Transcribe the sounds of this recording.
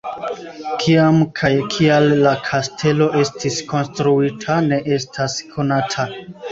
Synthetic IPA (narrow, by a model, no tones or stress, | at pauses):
kʰiamkʰajkʰialːakʰastʰe̞lo̞ʔe̞stisko̞nstɾuitʰane̞ʔe̞stʰaskʰo̞natʰa